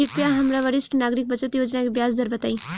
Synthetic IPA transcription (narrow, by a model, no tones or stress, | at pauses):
ipjaɦɐmɾaʋəɽɪsʈnaːɡɾɪk̚bət͡ʃət̪joːd͡ʒnakibjaːsd̪əɾʋət̪aːi